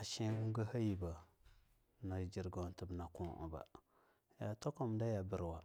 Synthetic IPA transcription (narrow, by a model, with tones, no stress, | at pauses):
a˨ʃi˦wu˦ŋɡa˦ha˦ji˨ba˨ | na˨d͡ʒi˨ɾɡo˨n˨tə˨bna˨kũ˦ʔṵ˨ba̰˨ | ja˨to˦ko˦m˨da˦ja˨bə˦˨ɾwa˨